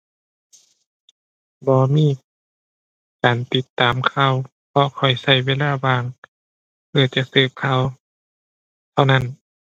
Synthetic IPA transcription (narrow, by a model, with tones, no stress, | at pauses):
bɔː˧miː˧˩˨ | kaː˨˩nt̪i˧t̪ːaː˨˩mkʰa˧˨w | pʰɔ˧kʰɔ˨˩jsa˧˩jweː˧˥˨laː˧˩˨baː˧˩ŋ | pʰɯ˧ɐt͡ɕa˧˨ʔsɤː˧˩p̚kʰa˧˩˨w | t̪ʰa˧wna˧˥˨n